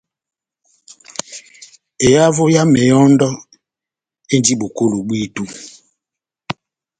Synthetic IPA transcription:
e˨ja˦vo˦ja˦mɛ˨jɔ˦ndɔ˦ | e˦ndi˦ɓo˨ko˦lo˨ɓwi˦tu˦

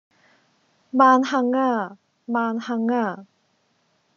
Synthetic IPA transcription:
maː˧nha˧ŋa˥˧˩ | maː˧nha˧ŋa˥˧˩

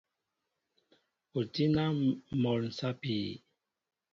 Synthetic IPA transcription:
o˨ti˦na˦mɔ˨ln̩˨sa˦piː˨

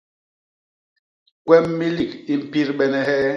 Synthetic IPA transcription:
kwɛ˦mːi˦li˦˨ki˦m̩˦˨pi˦ɾɓɛ˦nɛ˦hɛ˦

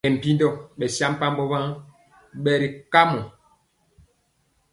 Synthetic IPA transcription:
ɛ˨m̩˨pi˦ndɔ˦˨ɓɛ˨sja˦m˦pa˦m˦bɔ˦ba˦ | ɓɛ˨ɾi˨ka˦mɔ˨

